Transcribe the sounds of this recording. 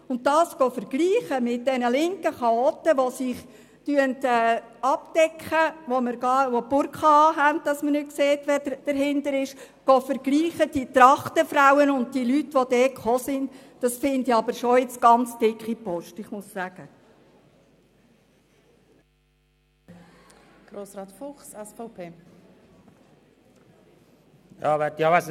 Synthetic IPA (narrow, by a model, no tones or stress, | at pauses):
ʊntdɑːsɡ̥ɔːfəɾɡ̥liːχəmɪt̚dɛnəlɪŋkəχɑɔːtːəʋosɪχ | tyəntɛː | ɑpd̥ɛkʰχəʋoməɾɡɑʋopʊɾkχɑɑːɦænt̚dɑsmənʏt̚kseːtʋɛd̥əɾɦɪndəɾɪʃɡ̥ɔːfəɾɡ̥liːχəd̥it̪ɾɑχtəfɾawənʊnd̚dilytʋodɛːtχoːsɪnd | d̥ɑsfɪndiɑbəɾʃɔɪt͡sɡ̥ɑnt͡sd̥ɪkχipɔʃtɪχmʊssæɡ̥ə | ɡ̥ɾoːsɾɑːt̪fʊχsɛsfapʰeː | jɑːʋɛtjɑʋas